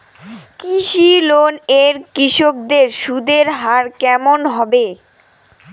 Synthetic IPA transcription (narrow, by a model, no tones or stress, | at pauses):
kiʃiloneɾkɾiʃok̚d̪eɾʃud̪eɾɦaɾkɛmonɦɔbe